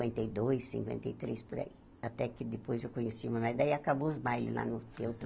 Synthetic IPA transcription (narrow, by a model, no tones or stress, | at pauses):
wẽnt̪ejd̪ojsːḭ̃ŋkwḛ̃nt̪ɐjt̪ɾespʊɾa̰i | at̪ɛkɪd̪ɪpojzewkõɲesiumanajd̪aiakaboʊzbajlʊ̰la̰nʊt̪ewt̪ɾ